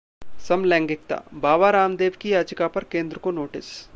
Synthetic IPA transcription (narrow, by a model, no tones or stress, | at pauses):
sɐmlɛ̃ːŋɡɪk̚t̪a̰ːbaːʋaɾaːmd̪eːʋkiaːd͡ʒɪkapɐɾkeːnd̪ɾəkonoːʈɪs